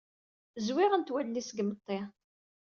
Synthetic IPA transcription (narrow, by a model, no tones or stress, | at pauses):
zwɪʁənt̪wælnisəɡmət̪ˤːe